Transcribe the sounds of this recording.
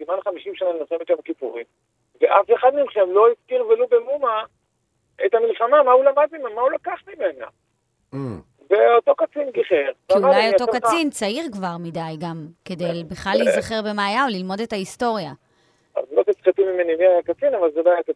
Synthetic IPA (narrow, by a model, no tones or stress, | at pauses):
simanχamiʃimʃananilχemet̪jamkipuʁim | veʔafeχad̪nilχemlo̞iskiʁvelobemuma | etamilχamamaulamad̪mimemmːaulakaχmimena̰ | veoto̞kat͡sinɡiχeʁaiumadlajotokat͡sint͡saiʁkvaʁmidajɡamke̞dejbeχlallejzzaχeʁbe̞maːjaolilmo̞de̞taisto̞ʁja | a̰zlot̪isχat̪imimenimiajakat͡sinavalzebajata